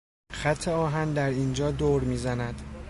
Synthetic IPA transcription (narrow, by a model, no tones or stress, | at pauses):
xæt̪ʰːe̞ɒːɦænd̪æɾiːnd͡ʒɒːd̪oːɾmiːzænæd̪̥